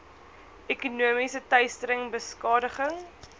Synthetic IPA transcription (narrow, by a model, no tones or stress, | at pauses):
ɛkunuəmisətœɥstəɾəŋbəskɑːdəχəŋ